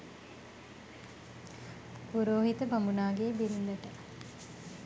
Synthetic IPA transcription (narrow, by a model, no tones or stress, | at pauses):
puɾoːɦit̪əbamunaːɡeːbiɾilləʈə